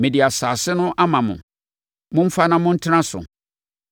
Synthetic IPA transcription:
mɪ̃˨dɪ˨a˨saː˨sɪ˦nʊ̃˦ʔa˦mã˨mʊ̰̃˨ | mʊ̃˦m̩˦fa˦nã˦mʊ̃˦n̩˦tʰɪ˦nã˦sʊ̰˨

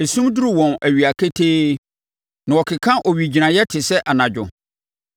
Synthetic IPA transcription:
e˨sũ˦mdu˦ɾi˦˨wɔ̃˨næ˨ɥi˨a˨kʰe˦tʰeː˦ | nã˨wɔ˨kʰɪ˨kʰã˦ʔɔ˨ɥi˨d͡ʑi˨nã˨jɛ˦tʰɪ˨sɛ˦ʔa˨nã˨d͡ʑᶣʊ̰˨

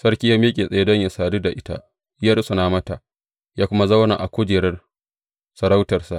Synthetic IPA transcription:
sɐ˦rkʲi˦jaː˦mi˦kʲʼeː˨sʼɐ˨jdɐ˦ɲja˨saː˨du˦da˨ʔɪ˦ta̰˦ʔ | ja˦ɽsu˨naː˦mɐ˦ta˨ʔ | jaː˦kʷʊ˦ma˦za˦wna̰˨ʔa˨kʷʊ˦d͡ʒeː˨ɾɐ˦r | sɐ˨ɾa˦wtɐ˨rsa˨

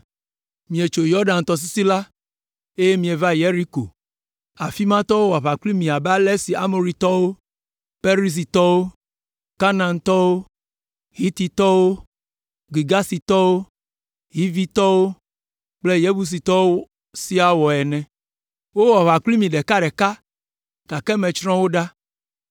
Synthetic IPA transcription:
mĩ˨e˨t͡ʃo˨jɔ˦ɖã˨n˨t̪ɔ˦s̬i˦si˦la˦ | e˦je˦mĩ˨e˨va˦je˦ɾi˦ko̰˨ | a˨fi˦mã˦t̪ɔ˦wo˦wa˨βa˨kli˦mĩ˨a˨bɛ˦a˦lɛ˦si˨a˦mo˨ɾi˨˦t̪ɔ˦wo˦ | pe˦ɾi˦s̬i˨t̪ɔ˦wo˦ | ka˦nã˨nt̪ɔ˦wo˦ | ɦi˦t̪i˨t̪ɔ˦wo˦ | ɡi˨ɡa˦si˨t̪ɔ˦wo˦ | ɦi˦vi˦t̪ɔ˦wo˦ | k͡ple˦jɛ˦bu˦s̬i˨t̪ɔ˦wo˦ | si˦a˨wɔ˨ɛ˨nɛ̃˨ | wo˦wɔ˨βa˨kli˦mĩ˨ɖɛ˨ka˦ɖɛ˨ka˦ | ka˨kɛ˦mɛ̃˨t͡ʃɾɔ̃˦wo˦ɖa˦

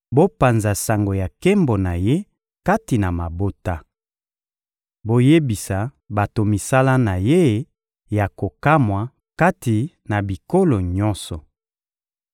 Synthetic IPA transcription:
bo˦pa˨nza˨sa˨ŋɡo˨ja˨ke˦mbo˨na˨je˦ | ka˦ti˨na˨ma˨bo˦ta˦ | bo˦je˦bi˨sa˨ | ba˨to˨mi˨sa˦la˦na˨je˦ | ja˨ko˨ka˦mwa˨ | ka˦ti˨ | na˨bi˨ko˦lo˨ɲɔ̃˦nsɔ˨

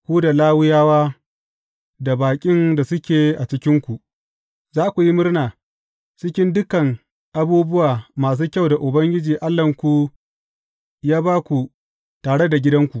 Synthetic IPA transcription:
kʷuː˦da˨laː˦wɪ˦jaː˦waː˦ | da˨baː˨kʲʼɪ˦nda˨sʊ˦kʲeː˨ʔa˨t͡ʃɪ˦kʲɪ˦ŋkʷu˨ʔ | zaː˦kʷu˨ji˦mʊ˦rnaː˨ | t͡ʃɪ˦kʲɪ˦ndʊ˦kɐ˨ŋ | ʔa˨buː˦bʊ˦waː˨maː˨s̬uː˦kʲa˦˨wda˨ʔʊ˨bɐ˦ŋɡʲɪ˦d͡ʒiː˨ʔa˦lːɐ˨ŋkʷu˦ | jaː˦baː˦kʷu˨ | taː˨ɽe˦da˨ɡʲɪ˦dɐ˦ŋkʷu˨ʔ

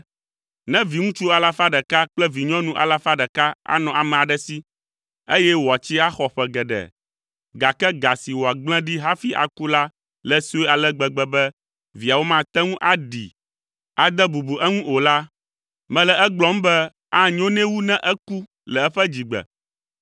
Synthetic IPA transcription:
nɛ̃˦vi˨ŋũ˦t͡ʃu˦a˨la˨fa˦ɖɛ˨ka˦k͡plɛ˦vi˨ɲɔ̃˦nũ˦ʔa̰˨la˨fa˦ɖɛ˨ka˦a̰˦nɔ̃˨ʔa˨mɛ̃˨a˨ɖɛ˦si˦ | e˦jɛ˦wo˨a˨t͡ɕi˦a˦xɔ˨ɸɛ˦˨ɡɛ˨ɖɛ̰˨ | ɡa˨kɛ˦ɡa˨si˨wo˨a˨ɡ͡blɛ̃˦ɖi˦ɦa˦fi˦ʔa̰˨ku˦la˦ | lɛ˦si˦e˦a˨lɛ˦ɡ͡bɛ˨ɡ͡bɛ˨bɛ˦ | vi˨a˨wo˦mã˦t̪ɛ˦ŋũ˦ʔa˦ɖi˨ | a˨d̪ɛ˦bu˨bu˨ʔɛ˦ŋũ˦ʔo˨la˦ | mɛ̃˨lɛ˨ɛ˦ɡ͡blɔ̃˦m˦bɛ˦ | a˦ɲõ˦nɛ̃˦wu˦nɛ̃˦ʔɛ˦ku˦ | lɛ˨ɛ˦ɸɛ˦d͡ʑi˨ɡ͡bɛ̰˨

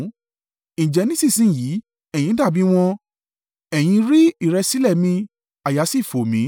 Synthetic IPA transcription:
ĩ˨d͡ʒɛ˧nĩ˦si˦˨sĩ˦˨ji˨˦ | ɛ˨j̃ĩ˧˦da˦˨bĩ˨˦w̃ɔ̃˧ | ɛ˨j̃ĩ˧ɾi˦i˦˨ɾɛ˧si˦lɛ˦˨mĩ˧ | a˨ja˨˦si˦˨fo˨mĩ˨˦

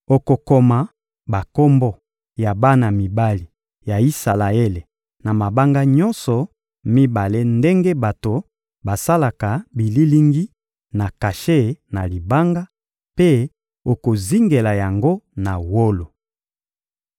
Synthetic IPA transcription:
o˨ko˨ko˨ma˨ | ba˨ko˦mbɔ˦ | ja˨ba˦na˨mi˨ba˦li˨ | ja˨i˦sa˨la˨e˦le˨ | na˨ma˨ba˦ŋɡa˦ɲɔ˦nsɔ˨ | mi˦ba˨le˦nde˦ŋɡe˦ba˨to˨ | ba˨sa˦la˨ka˨bi˨li˦li˦ŋɡi˦ | na˨ka˨ʃe˦˨na˨li˨ba˦ŋɡa˦ | pe˦ | o˨ko˨zi˦ŋɡe˨la˨ja˨ŋɡo˦na˨wo˦lo˨

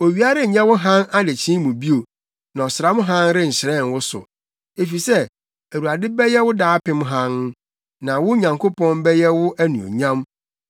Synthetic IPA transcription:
o˨ɥi˨˦a˦ɾɪ˦˨ɲɛ̃˦wʊ˦ɦã˦na˦de˨t͡ɕʰĩ˦mũ˨bi˦o˨ | nã˨ɔ˨sɪ˨ɾa˦mʊ̃˦ɦã˦nɾɪ˦n̩˨ɕɪ˨ɾɛ̃˦˨n˨wʊ˦sʊ̰˨ | e˨fi˨sɛ˦ | æ˨u˨a˨dɪ˦bɛ˦jɛ˦wʊ˦daː˦pʰɪ̃˦m˦ɦã˦n | nã˨wʊ˦ɲã˨ŋkʰo˦pʰɔ̃˦nbɛ˦jɛ˦wʊ˦ʔæ˦nũ˨o̰˨ɲã˦m

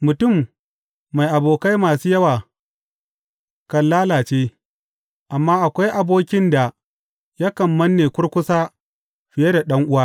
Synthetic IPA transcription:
mʊ˨tʊ˦˨mː | a˨jʔa˨boː˨ka˦jmaː˨suː˦jɐ˦waː˨ | kɐ˨llaː˦laː˨t͡ʃeː˦ | ʔa˨mːaː˦ʔa˨kʷa˦jʔa˨boː˦kʲɪ˦nda˨ | ja˦kɐ˨mːɐ˦nːeː˨kʷʊ˦ɽkʷʊ˦saː˦ | ɸɪ˨jɐ˦da˨ɗɐ˦ŋʔʊ˦waː˦

